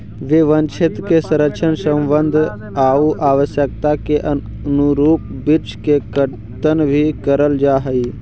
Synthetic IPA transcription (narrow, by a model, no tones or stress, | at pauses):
ʋɪʋənt͡ʃʰɪt̪kesɐ̃ɾəkʃʰənsə̃mbənd̪ʱ | aːuʔaːʋəsjək̚t̪akeʔə | nuɾuːp̚ | bɪɾt͡ʃkekə | t̪ənbʱikəɾəld͡ʒaːɦɐiː